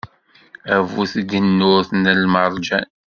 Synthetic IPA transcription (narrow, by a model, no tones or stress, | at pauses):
ævuθd̪ənːʊɾθnəlməɾˤd͡ʒæn